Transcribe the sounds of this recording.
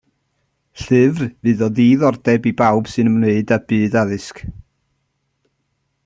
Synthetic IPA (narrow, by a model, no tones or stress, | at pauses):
ɬɨvrvɨːðɔðiːðɔrdɛbibawb̥sɨnəmneɨdabɨːdaðɨsk